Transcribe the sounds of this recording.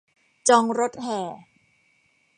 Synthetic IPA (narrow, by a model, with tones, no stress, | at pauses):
t͡ɕɔː˧ŋɾo˦˥t̪̚hɛː˨˩